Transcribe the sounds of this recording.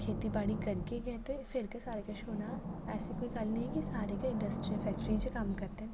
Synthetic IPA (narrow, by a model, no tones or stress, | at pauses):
kʰeːt̪ibaːɽikɐɾkeɡɐt̪efɪɾkesaːɾekaʃoːnaɛːsikoːiɡaːlnɐɦĩkisaːɾekaɪ̃ɳɖəsʈɾilfɛːk̚ʈɾĩnd͡ʒekaːmkɐɾt̪eɦɛ̃